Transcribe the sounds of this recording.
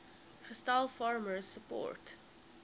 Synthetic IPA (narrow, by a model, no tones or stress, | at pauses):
kɹəstaɪlfɑːɹməɹsːəpɔ̰ɹt